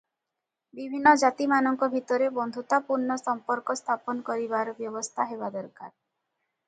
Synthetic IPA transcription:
bibʱinːɔd͡ʒat̪imanɔŋkɔbʱit̪ɔɾebɔnd̪ʱut̪apuɾnɔsɔmpɔɾkɔst̪ʰapɔnɔkɔɾibaɾɔbjɔbɔst̪ʰaɦebad̪ɔɾka̰ɾ

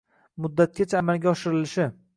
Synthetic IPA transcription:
mʊd̪ːat̪̚kʲat͡ʃʰaːmalɡʲaɒʃɪɾɪlɪʃɪ

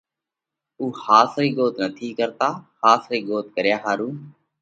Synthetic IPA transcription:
uːxaːsɾiːɡoːt̪nət̪ʰiːkəɾt̪aːhaːsɾiːɡoːt̪kəɾjaːɦaːɾuː

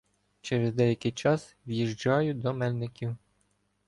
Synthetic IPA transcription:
t͡ʃɛɾezd̪ɛjɐkʲɪjt͡ʃɑs | wjiʒd͡ʒɑjʊd̪ɔmɛlʲnɪkʲiw

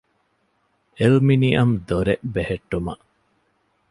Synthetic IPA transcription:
elminiʔɐmd̪oɾeʔbeheʈːumɐ̰ʔ

